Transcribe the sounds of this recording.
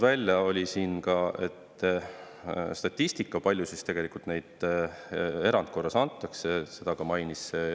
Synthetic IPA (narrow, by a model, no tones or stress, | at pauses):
vælʲjɑo̞lʲisiːnkɑe̞̰t̪ːˑ | st̪ɑt̪ʲːist̪ikːˑɑpɑlʲjusist̪e̞ɡ̥e̞likult̪ne̞jd̪̥ | e̞ɾɑnd̪̥̚ko̞rːɑsɑnt̪ːˑɑksese̞d̪̥ɑkɑmɑjnisːe